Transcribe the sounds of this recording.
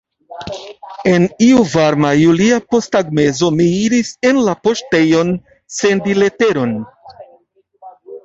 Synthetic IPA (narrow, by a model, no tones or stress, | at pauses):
e̞niuvaɾmajuliapo̞staɡme̞zo̞miiɾise̞nlapo̞ʃte̞jo̞n | se̞ndile̞te̞ɾo̞n